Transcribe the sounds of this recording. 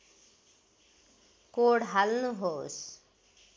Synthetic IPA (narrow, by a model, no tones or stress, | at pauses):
koːɽɦalnũɦos